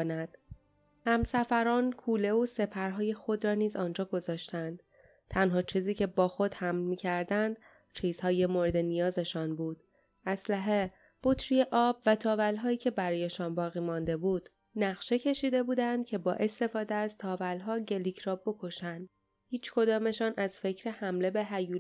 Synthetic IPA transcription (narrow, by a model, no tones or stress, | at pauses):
næd̪̥ | hæmsæfæɾɒːnkʰuːle̞ose̞pʰæɾɦɒːje̞xo̞d̪ɾɒːniːzɒːnd͡ʒɒːɡo̞zɒːʃt̪ænd̪̥ | t̪ʰænɦɒːt͡ʃʰiːziːcʰe̞bɒːxo̞d̪̥hæmlmiːcʰæɾd̪ænd̪̥ | t͡ʃʰiːz̥hɒːje̞moɾed̪e̞nijɒːze̞ʃɒnbuːd̪̥ | æslæɦe̞ | b̥ot̪ʰɾije̞ʔɒːbvæt̪ʰɒːvælɦɒːiːcʰe̞bæɾɒːje̞ʃɒnbɒːɣiːmɒnd̪e̞buːd̪̥ | næɣʃecʰe̞ʃiːd̪e̞buːd̪ænd̪̥̚cʲʰe̞bɒːʔe̞st̪e̞fɒːd̪eæzt̪ʰɒːvælɦɒːɟe̞licʰɾɒːbo̞kʰo̞ʃænd̪̥ | hiːt͡ʃʰkʰo̞d̪ɒːme̞ʃɒnʔæzfe̞cʰɾe̞hæmle̞be̞ɦæjuː